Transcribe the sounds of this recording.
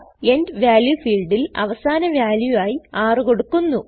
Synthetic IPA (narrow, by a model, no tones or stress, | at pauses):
e̞ndʋjaːljufiːlɖilɐ̰ʋɐsaːnɐʋjaːljuaːjiaːrɨko̞ɽukːunːu